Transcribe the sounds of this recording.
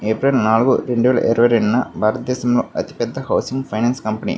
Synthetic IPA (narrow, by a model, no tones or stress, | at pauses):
eːpɾɐlnaːluɡuːɾeɳɖuʋɛːlɐ̰ʔiɾɐʋɐɾeɖinːɐbʱaːɾɐt̪ɐd̪ɛːɕɐmloːɐt̪i̥pɛd̪ʱːɐɦɐwsiŋɡpʰɐjnaːnskɐmpɐnḭ